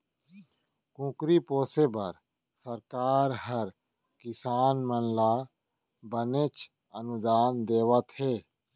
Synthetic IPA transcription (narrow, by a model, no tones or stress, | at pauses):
kũːkɾipoːsebəɾ | səɾkaːɾɦəɾ | kɪsaːnmənla | bənet͡ʃ | ənʊd̪aːnd̪eːwət̪ɦeː